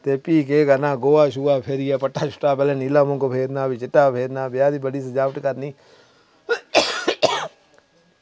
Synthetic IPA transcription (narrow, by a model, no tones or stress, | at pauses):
t̪eːpiːk̬eːɡanaːɡoːaːʃuːaːpʰeɾijɛpəʈːaːt͡ʃʰʊ̥ʈːaːpɛːleːniːlaːmõːkopʰeːd̪naːbit͡ʃɪʈːaːpʰeːd̪naːbjaːd̪ibəɽiːsed͡ʒaːpəʈkəɾniː